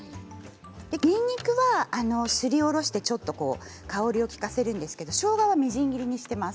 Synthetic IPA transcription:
d̪̥e̞kʲĩɲːikɯ̟βaːno̞sɨɾʲio̞ɾo̞ɕi̥t̪e̞t͡ɕo̞t̪ːo̞ko̞ːkao̞ɾʲio̞kʲi̥kase̞ɾɯ̟̃nd̪e̞sɨ̥ke̞d̪o̞ɕo̞ːɡaβamʲiʑĩŋɡʲiɾʲiɲ̟iɕi̥t̪e̞mas

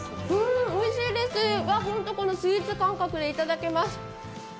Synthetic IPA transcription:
ɯ̟̃ːo̞iɕiːd̪e̞sɨβaɦõ̞nt̪o̞ko̞no̞sɨit͡sɨkãŋkakɯ̟d̪e̞it̪ad̪ake̞masɨ̥

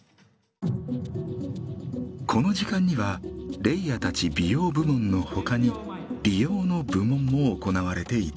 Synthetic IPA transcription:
kʰo̞no̞ʑikãɲ̟ːiβaɾe̞ijat̪at͡ɕibʲijo̞ːbɯ̟mõ̞nːo̞ho̞kaɲ̟i | ɾʲijo̞ːno̞bɯ̟mõ̞mːo̞ːko̞naβaɾe̞t̪e̞it̪

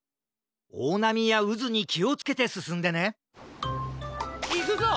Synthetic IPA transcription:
oːnamʲijaɯzɨɲ̟ikʲio̞t͡sɨ̥ke̞t̪e̞sɨsɨ̃nd̪e̞ne̞ | i

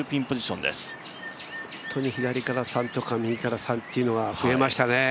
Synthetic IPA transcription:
ɯpʲĩmpo̞d͡ʑiɕõ̞nd̪ḛsɨ̥ | oõt̪ʰo̞ɲ̟içid̪aɾʲikaɾasãnt̪o̞kamʲiikaɾasãnt̪ːeiɯ̟no̞ɡaɸɯ̟e̞maɕi̥t̪ane̞

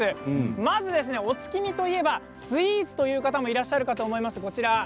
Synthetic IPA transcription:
ɨmazɨd̪e̞sɨne̞o̞t͡sɨ̥kʲimʲit̪o̞ie̞ba | sɨiːzɨ̥t̪o̞jɯ̟ːkat̪amo̞iɾaɕːaɾɯ̟kat̪o̞ːmo̞imasɨko̞t͡ɕiɾa

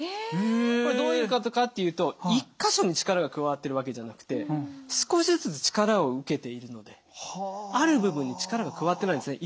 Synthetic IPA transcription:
ekoɾed̪o̞ːiɾɯkat̪o̞kat̪ːe̞jɯ̟ːt̪o̞ikːaɕo̞ɲ̟it͡ɕi̥kaɾaɡakɯ̟βaβat̪ːe̞ɾɯ̟βake̞ʑanakɯ̟̥t̪e̞sɨ̥ko̞ɕizt͡sɨt͡sɨ̥t͡ɕi̥kaɾao̞ɯ̟ke̞t̪e̞iɾɯ̟no̞d̪e̞ | aɾɯ̟bɯ̟bɯ̟̃ɲ̟ːit͡ɕi̥kaɾaɡakɯ̟βat̪ːeaĩnd̪esɨneʔi

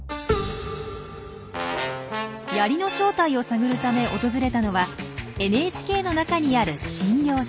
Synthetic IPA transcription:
jaɾʲino̞ɕo̞ːt̪aio̞saɡɯ̟ɾɯ̟t̪ame̞ʔo̞t̪o̞zɨɾe̞t̪ano̞βae̞nɯeːt͡ɕi̥kʲe̞ːno̞nakaɲ̟iaɾɯ̟ɕĩŋɡʲjo̞ː

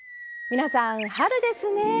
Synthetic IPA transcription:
mʲinasãŋhaɾɯ̟d̪e̞sɨne

